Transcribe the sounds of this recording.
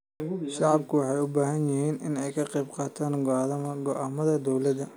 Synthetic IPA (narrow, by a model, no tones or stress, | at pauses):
ʃʃɑʕɑbkʰʊwɑħɑjʊbaːɦɐnjɪhiːnɪnɛjkʰɐqɛjbqɑːt̪ʰaːnɡɡɔʔaːmɐðɐd̪ɔwlɐd̪ɐ